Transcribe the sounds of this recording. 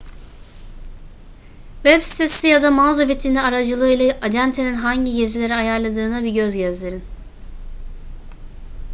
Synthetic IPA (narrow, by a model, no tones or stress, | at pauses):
vɛbsi̥t̪ʰesijad̪amazabet̪ʰinɛaɾad͡ʒɯlˠɯːilˠaʔad͡ʒænt̪ʰeninɦaɲɟiɟezilʲe̞ɾiajaɾlˠad̪ɯːnabiɟø̞zɟæzd̪ʲeɾin